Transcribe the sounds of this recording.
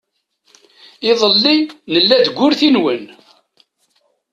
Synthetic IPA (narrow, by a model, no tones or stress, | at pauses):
ɪðˤəlːinəlːæd̪ɡʷːʊɾθinwən